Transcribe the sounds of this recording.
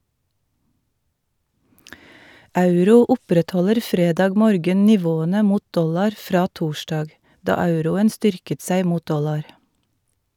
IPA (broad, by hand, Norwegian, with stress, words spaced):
ˈɑʉɾuː ˈʊpɾɛtˌhɔləɾ ˈfɾeːdɑːɡ ˈmoːɾɡən nɪˈʋoːənə ˈmuːt ˈdɔlɑɾ ˈfɾɑː ˈtuːʃdɑːɡ ˈdɑː ˈɑʉɾʊən ˈstʏɾkət ˈsæɪ ˈmuːt ˈdɔlɑɾ